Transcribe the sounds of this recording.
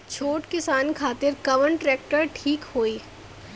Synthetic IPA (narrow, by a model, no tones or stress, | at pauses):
t͡ʃʰoːʈkɪsaːnkʰaːt̪ɪɾkɐʋəɳʈɾɛːk̚ʈəɾʈʰiːkhoːiː